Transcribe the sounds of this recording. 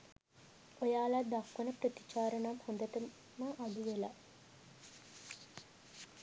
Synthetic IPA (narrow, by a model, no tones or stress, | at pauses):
ojaːlad̪akːənəprət̪i̥t͡ʃaːɾənamhond̪əʈə | məʔad̪uʋela̰